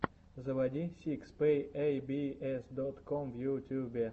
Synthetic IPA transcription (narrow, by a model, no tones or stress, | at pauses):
zəvɐdʲisʲikspejejbʲiɛsd̪ot̪komvjut̪ʲubʲe